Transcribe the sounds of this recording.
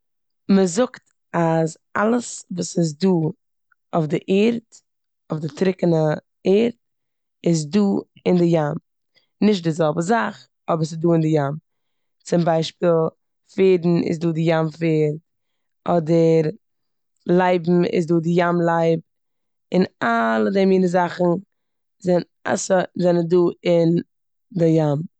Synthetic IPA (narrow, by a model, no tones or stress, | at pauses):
məzʊkt | az | alˠəsvuːsɪz̬duː | ʊfdɪʔeːɾt | ʊfdɪtɾɪkənə | eːɾt | ɪz̬duː | ɪndɪjam | nɪʃ̬tdɪzɛlˠbəzaχ | ɔbəɾs̬ɪsduːɪndɪjam | t͡sɪmbaɪʃpiːlˠ | feːdn̩ɪ̰s̬duːdɪjamfeːɾ | ʔɔdəɾ | lˠaɪbm̩ɪ̰s̬duːdɪjamlˠaɪb̚ | ɪnalˠədɛmjiːnəzaχn̩ | zɛn | a̰səzɛnənduːɪn | dɪjam